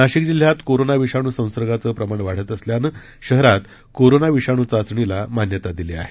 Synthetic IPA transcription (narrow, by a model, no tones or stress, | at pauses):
naɕikd͡ʑil̤jat̪koɾonaʋiʂaɽ̃usə̃w̃səɾɡat͡səpɾəmaɳ̃ʋaɽ̤ət̪əsljanə | ɕəɦɾat̪ | koɾonaʋiʂaɽ̃ut͡sasɳilamanjət̪ad̪ilea̰ɦe